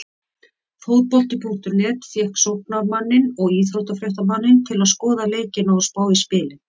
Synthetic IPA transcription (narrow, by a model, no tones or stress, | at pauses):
fowð̚pɔl̥t̪ɪpʰuŋ̥t̪ʏɾnɛːt̪θjɛhksowhpnamanːɪnɔɣiːðhœlt̪afɾjawht̪amanːɪnt̪ʰɪlaðskɔːðaleːjcɪnawspaːwispɪːlɪ